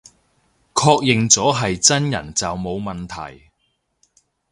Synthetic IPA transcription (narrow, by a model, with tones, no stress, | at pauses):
kʰɔː˧k̚jɪ˨ŋt͡sɔː˨˥ɦɐ˨jt͡sɐ˥njɐ̰˨˩nt͡sɐ˨wmo˨˧wmɐ˨nt̪ʰɐ̰˨˩j